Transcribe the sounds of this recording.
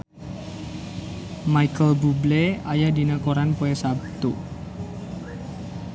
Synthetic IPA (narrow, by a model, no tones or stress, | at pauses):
majkəlbubleajadinakoɾanpoɛsabt̪u